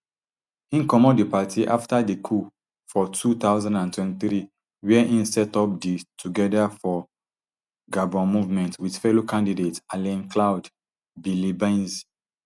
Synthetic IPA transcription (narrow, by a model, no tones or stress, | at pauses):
ĩnkɔmɔdipatʰiʔaftadekʰu | fɔtʰut̪aʊzãndãntwɛ̃ntiθɹi | wɛʔĩnsɛtɔp̚ditʰuɡɛdafɔ | ɡabɔ̃nmuvmɛ̃ntwidfɛlokãndidetalɛ̃nklaʊd | bilibãnz